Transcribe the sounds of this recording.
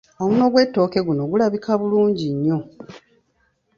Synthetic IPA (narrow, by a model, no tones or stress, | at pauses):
omuno̞ɡwe̞tːo̞ːke̞ɡuno̞ɡulaβikʰaβuluːɲɟiɲːo̞